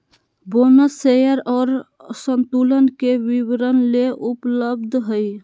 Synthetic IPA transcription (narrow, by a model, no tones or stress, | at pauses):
bonəsejəɾɔːɾ | sənt̪ulənkeʋiwɾənleʔupləb̚d̪ʱɦəj